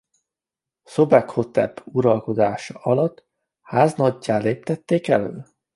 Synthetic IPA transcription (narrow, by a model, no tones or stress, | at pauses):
sobɛkho̞t̪ɛ̰puɾɒlko̞d̪aːʃɒɒlɒt̪ː | haːznɒɟːaːleːp̚t̪ɛt̪ːeːkɛlø̰ː